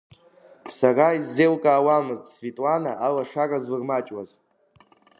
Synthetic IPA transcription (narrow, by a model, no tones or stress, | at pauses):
saraizːelkʼaːwamɨztʼsvitʼlanaʔalaʂarazvɨrmat͡ʃʼwaz